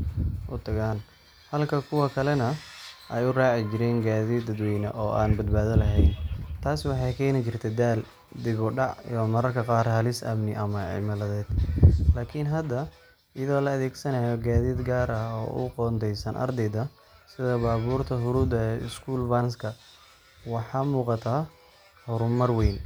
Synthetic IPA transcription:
ʔʊt̪ʰɐɣaːn | hɐlkʰɐkʰʊwɐkʰɐlɛnɐʔɛjʊraːʕɪt͡ʃɪɾɛːnɡaːðiːd̪ːɐd̪wɛjnɐ̰ʔɔːʔa̰ːnbɐd̪baːðɐlɐɦɛjnt̪ʰaːswɑħɑjkʰɛːnɪt͡ʃɪrt̪ʰɛd̪aːl | d̪ɪβɔɖɑʕ̰jɔmɐɾɐrkʰɐqɑːrhɐlɪsɐ̰mnɪʔɐmɐʕɪ̰mɐlɐðɛːd̪̥laːkʰɪnɦɐd̪ɐ | ɪjɐðɔːlɐːðɛːɡsɐnajɔɡaːðiːd̪ɡaːɾɐɦɔ̰ːʔʊ̰qɔːnd̪ʰɛjsɐnʔɐ̰rd̪ɛd̪ɐ | sɪðɐbaːβuːrt̪ʰɐɦʊɾuːd̪ɐɛɪ̰skʰuːlbɐnskʰɐ | wɑħɑːmuːqɑt̪ʰaː | hɔɾʊmɐrwɛjn

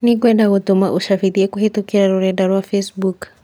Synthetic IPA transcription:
nik̬wɛdaɣutuma̰ʔuʃafiɾiɛkuhitɔkɛɾaɾuɾɛdaɾwafɛsbuk

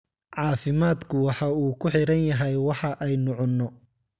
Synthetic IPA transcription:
ʕɑːfɪmaːd̪kʰʊwɑħɑuːkʰʊħɪɾɐnjɐɦɛjwɑħɑʔɛjnɔʕɔnːɔ

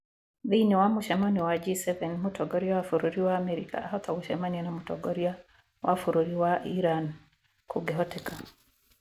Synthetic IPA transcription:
ðiiniwamuʃɛmɔniwad͡ʒisɛvɛnmutʰɔɡɔɾiawafuɾuɾiwaːmɛɾika̰ʔaɦɔt̪ɔɡuʃɛmanianamutɔɡɔɾia | wʔafuɾuɾiwaʔiɾan | kʰuɡɛɦɔtɛka

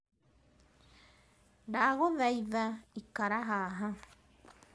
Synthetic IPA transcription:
daɣoðajðaikaɾaɦaɦa

